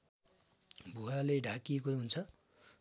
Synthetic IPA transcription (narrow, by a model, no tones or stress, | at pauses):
bʱualeɖʱakiekoɦunt͡sʰʌ